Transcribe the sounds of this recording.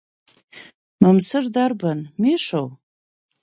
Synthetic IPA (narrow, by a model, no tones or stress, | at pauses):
mamsɨrdarbanmiʂow